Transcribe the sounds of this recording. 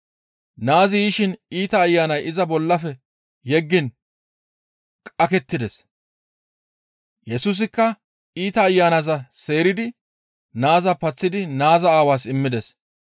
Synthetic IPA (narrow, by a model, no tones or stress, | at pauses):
naːzɪjiːʃɪniːt̪ɐːjːaːnɐjɪzɐbɔlːɐfɛ | jɛɡːɪn | kʼɐkɛt̪ːɪd̪ɛs | jɛsuːs̬ɪkːɐ | iːt̪ɐːjːaːnɐzɐse̞ːɾɪd̪ɪ | naːzɐpɐt͡sːɪd̪ɪnaːzɐaːwaːsɪmːɪd̪ɛs